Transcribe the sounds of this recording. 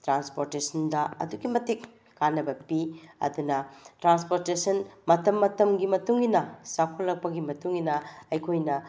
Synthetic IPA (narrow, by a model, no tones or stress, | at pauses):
tɾanspoɾtesʰɐndɐɐ̰duɡimɐtikː | anːɐbɐpiɐ̰dunɐtɾanspoɾtesɐnmɐtɐmːɐtɐmɡimɐtuŋinɐsakʰolːɐk̚pɐɡimɐtuŋinɐɐjkʰojnɐ